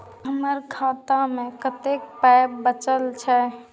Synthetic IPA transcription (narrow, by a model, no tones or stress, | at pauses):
ɦəməɾkʰat̪amekət̪ek̚pajbbət͡ʃəlt͡ʃʰɛ